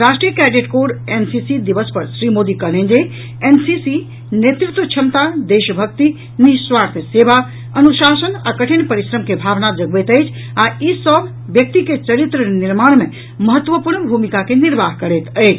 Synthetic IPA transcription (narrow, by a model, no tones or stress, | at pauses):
ɾasʈɾijəkɛɖeʈkoɖensisid̪ibəspəɾsɾimod̪ikəɾlend͡ʒe | ensisi | njet̪ɾit̪ʋət͡ʃʰəmt̪ad̪eʃəbʱək̚t̪i | niswaɾt̪ʰjəseba | ənusasəna̰kəʈʰinpəɾisɾəmkebʱabnad͡ʒəɡbɛt̪əjt͡ʃʰ | aisəbʱː | jək̚t̪iket͡ʃəɾit̪ɾəniɾmaɽ̃me | məɦət̪ːʋəpuɾnbʱumikakeniɾbaɦkəɾɛt̪əɪt͡ʃʰ